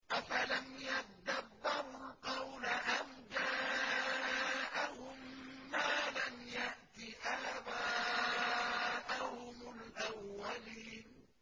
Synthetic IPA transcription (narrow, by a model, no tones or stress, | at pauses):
ʔafalamjad̪abːɪɾʊlqɑwlaʔamd͡ʒaː | ʔahʊmːaːlamjaʔt̪iʔaːbaː | ʔahʊmʊlʔawːaliːn